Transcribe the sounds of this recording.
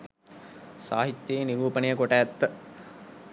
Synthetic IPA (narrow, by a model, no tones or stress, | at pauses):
sa̰ːɦit̪ːjeːniɾuːpənejəkoʈæːt̪ːə